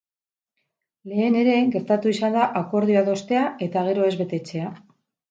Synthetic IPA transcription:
le̞ːne̞ɾe̞ɡe̞ɾt̪at̪uisand̪aʔako̞ɾðioaðo̞st̪e̞ae̞t̪aɣ̞e̞ɾo̞e̞zβe̞t̪e̞t͡se̞a

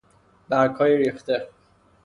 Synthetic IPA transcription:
bæɾkhɒːjiɾiːft̪e

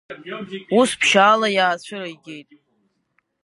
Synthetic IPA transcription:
uspʰʃaːlajaːt͡ɕʷʰʊɾajɡʲejtʼ

